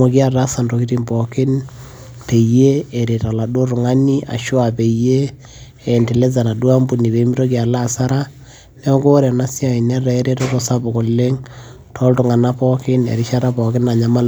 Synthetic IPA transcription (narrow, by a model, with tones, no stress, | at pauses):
o˨ki˦a˦ta˦sa˨nro˨ki˦ti˦mbɔ˨kɪ˦n | pe˨je˦e˨ɾe˨ta˨la˨do˦ɾʊ˨ŋa˦ni˦ʔa̰˨ʃwa˨pe˨jeː˦˨ | nti˨le˦z̬a˨na˨dwa˦mbu˨ni˨be˨˦mi˦ɾo˦k̬ia˨la˦˨sa˦ɾa˦ | nɛ˦ɔ˦ŋɡo˦ɾɛ˨na˦sja˨i˨nɛ˦ɾɛ˦ɾe˦tɔ˦tɔ˨sa˦bo˨ko˨lːe˦ŋ | tʰɔ˦ltʊ˨ŋa˨na˦pɔ˦kɪ˦nḛ˨ɾɪ˦ʃa˦ɾa˦pɔ˨kɪ˦na˨ɲa˨ma˦l